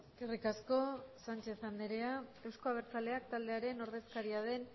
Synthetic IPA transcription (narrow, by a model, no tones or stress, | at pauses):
eske̞rikasko̞sant͡ʃe̞θand̪eɾeae̞wsko̞aβeɾt͡sale̞ak̚t̪ald̪eaɾe̞no̞ɾðe̞skaɾiað̞e̞n